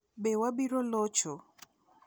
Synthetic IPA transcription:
bewabiɾolɔt͡ʃɔ

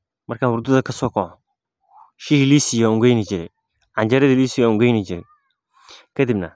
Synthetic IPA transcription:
maɾkawuɾdudakasɔkɔ | ʃihilisijɔŋɡenid͡ʒɪɾɪ | and͡ʒaɾɛdɪlisijɔŋɡenid͡ʒiɾɪ | kadɪbna̰

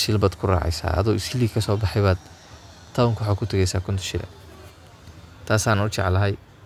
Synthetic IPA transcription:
ʃɪlbaːd̪kʰʊra̰ːʕɛ̰jsa̰ːɐ̰ðɔwɪskʰɪliːkʰɐsɔːbɑħɛjβaːd̪ | t̪ʰawŋkʰwħaːkʰʊt̪ʰɐɣɛjsaːkʰʊnt̪ʰʊ̥ʃɪɾɐ̰ | t̪ʰaːsaːnʊt͡ʃɑ̰ʕlɐɦɛj

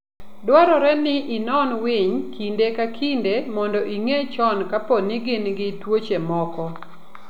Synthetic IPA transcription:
dwaɾɔɾɛnɪʔinɔnwɪɲkʰindekakʰindemɔndɔʔiŋet͡ʃɔnkapɔnɪɡɪnɡɪtwot͡ʃemɔkɔ

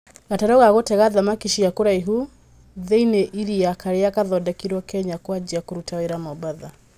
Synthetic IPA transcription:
ɣataɾɔɣaɣotɛɣaðamakiʃiakoɾaiɦu | ðeineʔiɾiakaɾeakaðɔdɛkiɾwɔkɛɲakwad͡ʒiakoɾutaweɾamɔbaða

